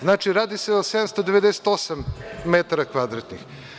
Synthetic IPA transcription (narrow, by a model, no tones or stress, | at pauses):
znaːt͡ʃiɾaːd̪iseased̪amst̪od̪eʋed̪ese̥t̪osammet̪aɾakvad̪ɾat̪nix